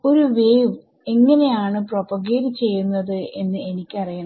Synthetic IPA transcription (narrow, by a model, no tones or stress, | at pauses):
o̞ɾuʋeːʋ | e̞ŋːɐne̞jaːɳɨpropɐɣeːɾit͡ɕe̞jːunːɐðɨe̞nːɨe̞nikʲːɨɐrijɐɳɐ